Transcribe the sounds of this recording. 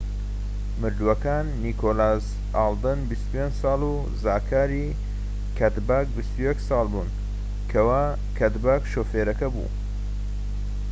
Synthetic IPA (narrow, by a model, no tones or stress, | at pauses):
mɨɾd̪wɐkaːnːiːkʰoːlaːz | aːld̪ɨnbist̪upʰend͡ʒsɑːlu | zaːkʰaːɾiː | kʰɐt̪baːkbist̪ujɛksɑːlˠbṵːn | kʰɐwaː | kʰɐt̪baːkʃoːfeːɾɐkɐbṵː